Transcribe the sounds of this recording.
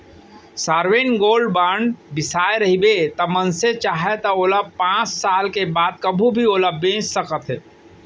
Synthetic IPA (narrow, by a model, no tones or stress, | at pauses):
saːɾweːnɡoːlɖbãːɳɖbɪsaːeɾɐɦibet̪ɐmənset͡ʃaːɦet̪ɐoləb̚pãːt͡ʃsaːlkebaːd̪̚kɐbʱũbʱioləbːẽːt͡ʃsɐkət̪ɦɛː